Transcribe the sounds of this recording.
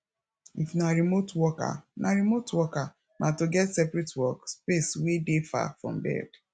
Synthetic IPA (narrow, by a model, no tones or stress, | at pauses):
ifnaɾimotwɔka̰naɾimotwɔka | natoɡɛtsɛpɾɛtwɔkspeswedefa̰fɹɔ̰̃m̩bɛ̰ɡ